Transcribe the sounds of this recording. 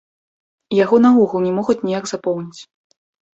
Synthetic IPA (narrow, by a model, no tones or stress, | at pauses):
jaɣɔnauɣulˠnʲɛmɔɣut͡sʲnʲijaɡzapɔwnʲit͡sʲ